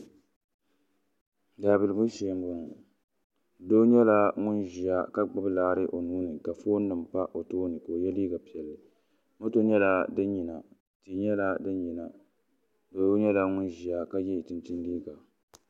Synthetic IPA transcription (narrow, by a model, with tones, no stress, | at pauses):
daː˨bi˨lɨ˨ɡʊ˦ʃɛ˨˦m˦bʊ˦ŋ˨ | do˦ɲɛ˦la˦ŋʊ˦nʒi˨a˦ka˦ɡ͡bɨ˦blaː˦ɾɨ˦ʔo˨nuː˦nɨ˨ka˨foː˦nː˦ɨ˨mpa˦ʔo˨toː˦nɨ˨ko˨jɛ˦liː˦ɡa˨pi˨ɛ˨lːɨ˨ | mo˦to˦ɲɛ˦la˦dɨ˦nɲi˨na˨ | ti˨ɲɛ˦la˦dɨ˦n˦ji˨na˨ | doː˨˦ɲɛ˦la˦ŋʊ˦nʒi˨a˨ka˦jɛ˦˨tɨ˨ntɨ˦n˦liː˦ɡa˨